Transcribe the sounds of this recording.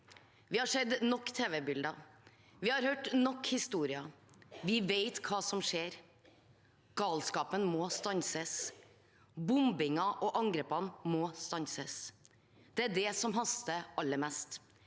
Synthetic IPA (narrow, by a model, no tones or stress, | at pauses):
ʋɪhɑʂɛd̪nɔkːt̪ʰeːʋɛbʏld̪ɑ | ʋɪhɑɾhøːʈnɔkːhɪst̪uːɾɪɑʋɪʋeɪt̪kʰɑːsɔmʂeːɾ | ɡ̥ɑːlskɑːpənmɔːst̪ɑnsəs | bʊmbɪŋɑʔɔʔɑŋɡɾeːpɑnmɔst̪ɑnsəs | d̪̥ɛæɖɛsɔmɦɑst̪əʔɑlːəmɛst̪